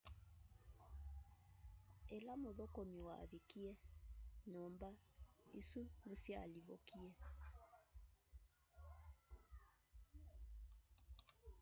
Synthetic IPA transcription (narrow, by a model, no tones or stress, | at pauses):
ɛlamoðɔkɔmiwa̰ːβikiɛnɔmbaisunesjaa̰liβɔkiɛ